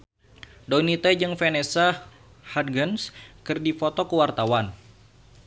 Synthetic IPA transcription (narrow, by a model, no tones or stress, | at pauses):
dɔnit̪ɛd͡ʒɨŋfɛnesa | had̚ɡənskɨrdifɔt̪ɔkəwart̪awan